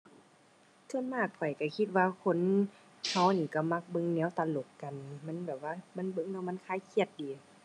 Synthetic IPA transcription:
sʰɯ˧˥˨nmaː˧˩k̚pʰɔ˨˩jka˧˩kʰi˧t̪̚waː˧kʰo˧˥˨n | ha˧˩˨wniː˧˩ka˧˩ma˧˦k̚bɤ˧˨ŋnɛː˧˦˨wt̪a˧˨lo˨˩kːa˨nma˧˥˨nbɛː˨˩p̚waː˧ma˧˥˨nbɤ˧˥ŋnɛː˧˨ma˧˥˨nkʰaː˧˥˨kʰi˧˩ət̪̚diː˨˦

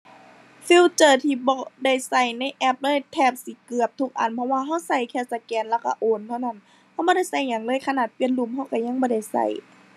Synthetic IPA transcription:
fi˧˥wt͡ɕɤː˧˩t̪ʰiː˧˩bɔː˧˩da˧˩jsa˧˩jna˧˥˨jʔɛ˧˥˩p̚lɤː˧˥˨jt̪ʰɛː˧˩p̚si˧˦kɯ˨˩əp̚t̪ʰu˧˩k̚ʔa̰˨˩˨npʰɔ˧waː˧ɦa˧˥˩wsa˧˩jkʰɛː˧˩sa˧kɛː˧˩nlɛ˧˩wka̰˧ʔoː˨˩˨nt̪ʰa˧˨na˧˩n | ha˧˩wbɔː˧˦ɾa˧˥˩jsa˧˩jɲa˨˩ŋlɤː˧˥˨jkʰa˧naː˨˩t̪̚pi˧ə˨nlu˧˩˨mha˧˥˩wka˧˩ɲa˧˨ŋbɔː˧˦da˧˩jsa̰˧˩j

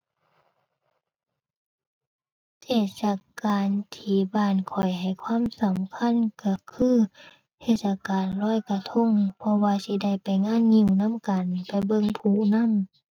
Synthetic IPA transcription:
t͡ɕeː˧˩t̪̚sa˧kaː˨nt̪ʰiː˧˩baː˧˩˨nkʰɔ˨˩jɦa˨˩jkʰwaː˧˥˨msa˨˦mkʰa˧˥˨nka˧˩kʰɯː˧˥˨ | h̪ʰeː˧t̪̚sa˧kaː˨nlɔː˧˥˨jka˧t̪ʰo˧˥˨ŋpʰɔ˧waː˧si˧da˧˩jpa˨jŋaː˧˥˨nɲi˧˨wna˧˥˨mka˨npa˨˩jbɤ˧˨ŋpʰuː˧˩˨na˧˥˨m

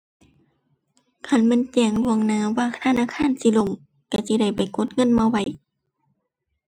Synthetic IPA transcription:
kʰa˧˩nma˧˥˨nt͡ɕɛː˧˩ŋlu˧˨əŋnaː˧˥˨waː˧˨˧t̪ʰa˧˨naː˧˨kʰaː˧˥˨nsi˧˦˨lo˧˨m | ka˧˩si˧˦da˧˩jpa˨˩jko˧˦t̪̚ŋɤ˧˥˨nmaː˧˨wa˧˩˨j

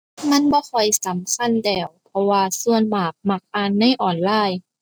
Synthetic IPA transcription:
ma˧˥˨nbɔː˧˦kʰɔ˨˩jsa˨˦mkʰa˧˥˨ndɛː˧˩wpʰɔ˧waː˧su˧ənmaː˨˩k̚ma˧˩k̚ʔaː˧˩˨nːa˧˥˨jʔɔː˨˩nlaː˧˥˩j

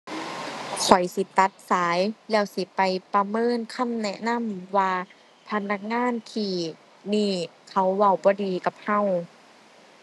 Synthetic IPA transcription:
sɔ˨˦jsi˧˦t̪a˧˦t̪̚saː˨˦jlɛː˧˩wsi˨˦pa˨jpa˧mɤː˧˥˨nkʰa˧˥˨mnɛ˧ʔna˧˥˨mlɯ˨˦waː˧ | pʰa˧na˧˥k̚ŋaː˧˥˨nt̪ʰiː˧˩ | niː˧˩kʰa˧˩wːa˧˩˨wbɔː˧˦diː˨ka˧˦p̚hã˧˩˨w

